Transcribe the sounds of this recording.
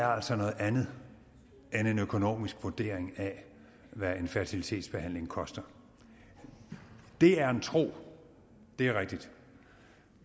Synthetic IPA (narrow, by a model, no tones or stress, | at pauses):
æɐæl̰sɒnɔ̽ːð̩ˠænð̩ˠ | ene̝nøkʰo̝no̝̰ːmisɡ̥ʋuɐd̥e̝̰ɐ̰eŋæ | ʋæe̝nfæɐt͡sʰilit͡sʰe̝̰ːd̥sb̥e̝hæn̰le̝ŋkʰɒ̽sd̥ɐ | d̥e̝æɐe̝nt͡sʰʁo̝̰ː | d̥e̝æɐʁɛɡ̥̚d̥id̥